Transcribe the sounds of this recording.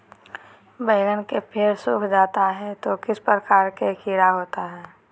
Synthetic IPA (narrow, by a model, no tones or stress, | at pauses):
bəːɡənkepʰeːɾsuːkʰd͡ʒaːt̪aɦɛt̪okɪspəɾəkaːɾkekiːɾaɦoːt̪aɦɛː